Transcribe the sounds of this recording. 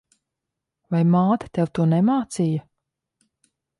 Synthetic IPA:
vajmaːt̪ḁt̪ɛwt̪uɔnɛmaːt̪sijɐ

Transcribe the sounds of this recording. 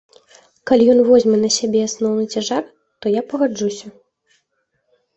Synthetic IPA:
kalʲijɔn̪vɔzʲmɛnɐsʲabʲɛasnɔwnɨt͡sʲaʐar | t̪ɔjapɐɣad͡ʐusʲɐ

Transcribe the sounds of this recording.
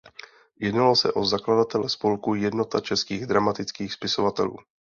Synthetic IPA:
jɛdnalosɛ̰ʔo̞zakladat̪ɛlɛspo̞lkujɛdno̞t̪at͡ʃɛskiːɣd̪ɾamat̪ɪt͡skiːxspɪso̞vat̪ɛ̰lṵː

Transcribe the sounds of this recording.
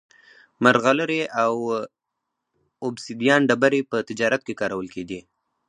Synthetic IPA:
maɾɣaləɾeʔaw | ʊbsid̪jɑnɖabaɾepət̪ɪd͡ʒɑɾat̪̚kekɑɾawəlkeɡ̪i

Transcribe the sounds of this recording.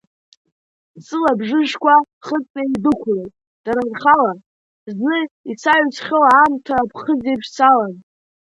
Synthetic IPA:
sɨlabʐɨʒkʷʰa | χət͡sʼeidɨkʷʰrojtʼ | d̥aɾarχala | znɨit͡sʰaɥt͡sʰχʲɪlaːmtʰaːpʰχəzejpʰʂsʰalan

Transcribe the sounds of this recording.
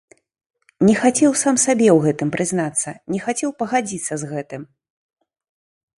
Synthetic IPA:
nʲɛxat͡sʲɛwsamsabʲɛwɣɛt̪ɨmpɾʔɨznat̪sːɐnʲɛxat͡sʲɛwpɐɣad͡zʲit̪sːɐzɣɛt̪ɨm

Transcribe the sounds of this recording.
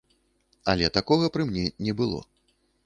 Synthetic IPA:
ɐ̰lʲɛt̪akɔɣɐpɾɨmnʲɛnʲɛbɨlˠɔ̰

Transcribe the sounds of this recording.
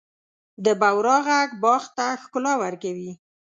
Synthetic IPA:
d̪əbawɾɑɣaɡbɑxt̪axkʊlɑwaɾkawi

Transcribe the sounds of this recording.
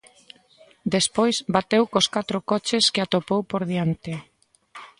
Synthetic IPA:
d̪espojzbat̪ewkoskat̪ɾokɔt͡ʃeskeat̪opowpoɾðiant̪ɪ

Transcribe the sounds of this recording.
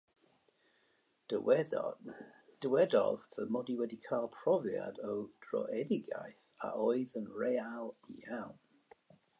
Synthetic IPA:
d̥əwɛ | d̥əwɛdɔ̰ððəmɔdiwɛdikʰalˠpʰrɔvja̰dəwd̥rɔ̰ʔɛdɪɡa̰jθ | a̰ʔoɨðənrɛalˠḭawn

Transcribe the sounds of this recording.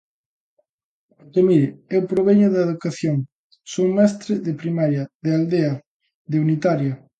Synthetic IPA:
t̪emiɾɪewpɾoβ̞eɲʊðɐeðukaθjoŋ | somɛst̪ɾɪðepɾimaɾjɐðeald̪eɐ | ðeunit̪aɾjɐ

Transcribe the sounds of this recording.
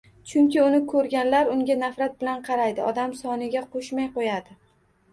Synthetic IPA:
t͡ʃʰʊŋkʲɪʊnɪkʰɵɾɡʲanlaɾʊŋɡʲanafɾat̪̚bɪlanqʰɑɾajd̪ɪɒd̪amsɒnɪɡʲaqʰoʃmajqojad̪ɪ

